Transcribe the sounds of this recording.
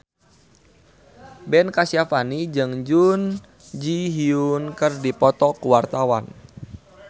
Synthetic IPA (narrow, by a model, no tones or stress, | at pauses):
bɛnkasiafanid͡ʒɨŋd͡ʒun | d͡ʒiɦiunkərdipɔt̪ɔkuwart̪awa̰n